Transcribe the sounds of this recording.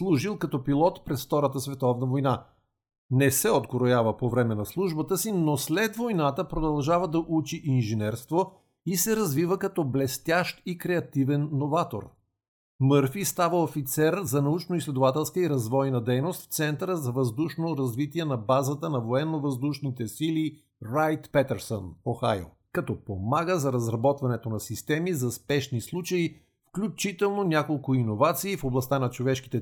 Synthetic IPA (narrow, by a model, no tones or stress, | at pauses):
slˠuʒilˠkɐt̪ɔpilˠɔt̪pɾɛsft̪ɔɾət̪əsvɛt̪ɔvnɐvojna | nɛsɛod̪ɡoɾojavəpovɾɛmɛnɐslˠuʒbət̪əsinoslɛd̪vojnat̪əpɾod̪ɐlˠʒavəd̪ɐʔut͡ʃiʔinʒinɛɾst̪vo | isɛɾɐzvivəkɐt̪ɔblɛst̪ʲaʃt̪ikɾɛɐt̪ivɛnːovat̪o̰ɾ | mɤɾfist̪avəofit̪sɛɾzɐnɐut͡ʃnoislʲɛd̪ovat̪ɛlˠskəiɾɐzvɔjnəd̪ɛjnost̪ft̪sɛnt̪əɾəzɐvɐzd̪uʃnoɾɐzvit̪iɛnɐbazət̪ənɐvoɛnːovɐzd̪uʃnit̪ɛsili | ɾajt̪pɛt̪ɛɾsonoxa̰jo̰ | kɐt̪ɔpomaɡəzɐɾɐzɾɐbɔt̪vɐnɛt̪onɐsist̪ɛmizɐspɛʃnislˠut͡ʃəi | fklʲut͡ʃit̪ɛlˠnonʲakolˠkʊinovat̪siːfoblˠɐst̪anɐt͡ʃovɛʃki̥t̪ɛ